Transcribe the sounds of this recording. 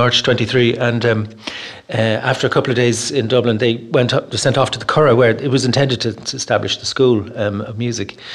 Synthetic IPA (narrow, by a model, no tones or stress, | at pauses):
ɑɹt͡ʃtʰw̥ɛ̃ntiθɹiːʔə̃n | aftə˞əkʰʌpl̩ˠəvdeɪzɪ̃ndʌblɪ̃nðeɪwɛ̃ntsɛ̃ntɔftʰəðəkʰɔɹəwə˞ɪt̚wɒzɪ̃ntʰɛ̃ndɪd̚tʰətʰəːstablɪʃðəskuːləvmjʉzɪk